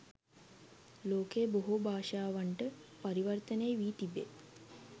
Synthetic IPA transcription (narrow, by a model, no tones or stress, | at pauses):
loːkeːboɦubʱaːʂaːʋaɳʈəpaɾiʋərt̪əneːʋiːt̪ibet̪̚